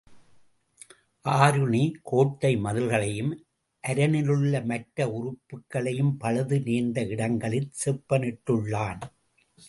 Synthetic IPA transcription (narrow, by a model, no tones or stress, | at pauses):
ʔaːɾɯɳikʰoːʈːɐɪmɐðɯlɣɐɭɐjɯm | ʔɐɾɐnɪlɯɭːɐmɐʈɾɐʊrʊpːɯkːɐɭɐjɯmpɐɻɐðɯniːɾnd̪ɐɪɽɐŋɡɐɭɪtsɛpːɐnɪʈːɯɭːaːn